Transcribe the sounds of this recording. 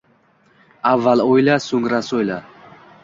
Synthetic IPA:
avːalɔilasuŋɡɾasɔjla

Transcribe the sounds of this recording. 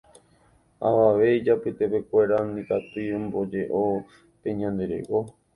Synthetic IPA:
a̰ʋaʋe̞id͡ʒapɨt̪epe̞kʷe̞ɾanĩkat̪iẽmbo̞d͡ʒe̞ʔo | pẽ̞ɲãnd̪e̞ɾḛko

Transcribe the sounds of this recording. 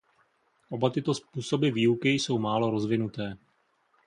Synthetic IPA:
ʔo̞bat̪ɪt̪o̞spuːso̞bɪviːukɪjso̞wmaːlo̞ɾozvɪnut̪ɛː

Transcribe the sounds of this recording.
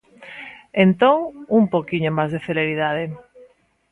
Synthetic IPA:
ent̪oŋumpowkiɲomazðeθeleɾiðaðe

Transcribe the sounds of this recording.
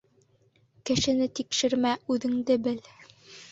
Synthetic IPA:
kɘ̆ʃɘ̆nɘt̪ikʃɘ̆ɾmæʉðɘ̆ŋd̪ɘbɘl

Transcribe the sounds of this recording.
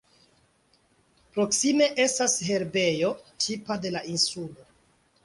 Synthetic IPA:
pɾo̞ksime̞ʔe̞stashe̞ɾbe̞jo̞tʰipade̞laʔinsulo̞

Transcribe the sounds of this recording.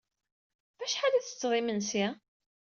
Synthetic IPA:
væʃħalæθə̥t͡sːðˤimənsæ

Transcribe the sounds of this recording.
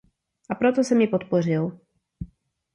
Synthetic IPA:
ʔapɾot̪osɛmjɪpot̪por̝ɪl

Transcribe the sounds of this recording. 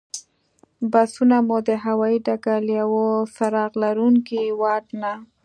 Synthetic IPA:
basunamud̪əɦawɑiɖaɡaljawofaɾɑɣlaɾuŋkiwɑʈna

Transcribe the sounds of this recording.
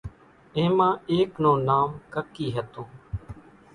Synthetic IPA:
ẽːmãːeːknõːnaːmkəkːiːɦət̪õː

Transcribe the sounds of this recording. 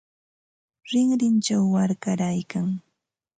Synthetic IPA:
ɾɪŋɾɪnt͡ʃawːaɾkaɾajkaŋ

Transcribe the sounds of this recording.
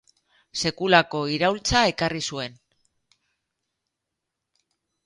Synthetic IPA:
se̞kulako̞iɾawlt͡sae̞karisue̞n

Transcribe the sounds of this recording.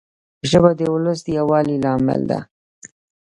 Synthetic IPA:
əʒəbad̪əʊləs̬d̪əjawɑlilɑmɪ̰ld̪a̰

